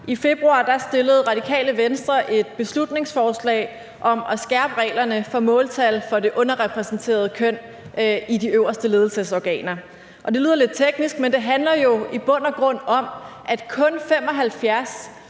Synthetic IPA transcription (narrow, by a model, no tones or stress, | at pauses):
ʔife̝b̥ʁuɑ̰̈ːd̥ɑ̈sd̥e̝ləð̞̩ˠʁɑ̈d̥ikʰɛ̰ːləʋensd̥ʁɐʔe̝d̥̚b̥e̝slud̥ne̝ŋsfɒːslɛ̰ɪ | ʔɒ̽mɒsɡ̥æɐ̰b̥əʁɛ̰ːɪlɐnəfɒ̽mɔ̽ːlt͡sʰælfɒ̽de̝ʔɔ̽nɐʁɛpʰʁɛsn̩t͡sʰe̝̰ːɐð̞ˠəkʰøn̰ | id̥iøʊ̰ɐsd̥əle̝ːð̞ˠl̩səsɒɡ̥ɛ̰ːnɐ | ʔɒ̽d̥eiːð̰ˠɐle̝d̥̚t͡sʰeɡ̥nisɡ̥mend̥e̝ɦænlɐjo̝ib̥ɔ̽n̰ɐɡ̥ʁɔ̽n̰ɒ̽mʔæd̥kʰɔ̽nfem̰ɒ̽ɦælfjæɐs